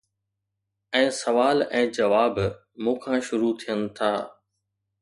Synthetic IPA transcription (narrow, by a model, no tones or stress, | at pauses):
ɛ̃ːsɐʋaːlɛ̃ːd͡ʑɐʋaːb | mũːkʰãʃʊɾut̪ʰijənɪ̆t̪ʰaː